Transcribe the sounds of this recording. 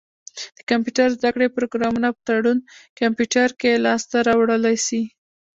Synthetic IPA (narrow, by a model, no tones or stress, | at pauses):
d̪̥əkampjuʈaɾzd̪akɽepɾoɡɾɑmunapət̪aɽunkampjuʈaɾkelɑst̪aɾɑwɽəlajsi